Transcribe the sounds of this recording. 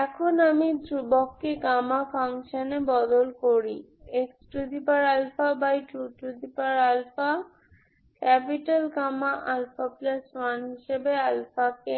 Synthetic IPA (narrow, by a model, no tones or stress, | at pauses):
ɛkʰonamid̪ɾubokːekamapʰaŋʃanebɔd̪olkoɾi | eksʈud̪ʱipaɾalfabajʈuʈud̪ipaɾalfa | kɛpiʈalkamaʔalfaplaswanɦiʃebealfake